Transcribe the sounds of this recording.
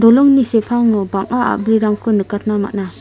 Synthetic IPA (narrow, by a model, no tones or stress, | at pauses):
dɔlɔŋnisepʰaŋɯbaŋaa̰bɾiɾaŋkʰɯnɯkat̚nama̰tna